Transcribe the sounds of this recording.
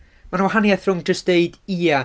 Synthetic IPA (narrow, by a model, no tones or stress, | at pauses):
manwaɦanjaθrʊŋd͡ʒəstd̥eɨdia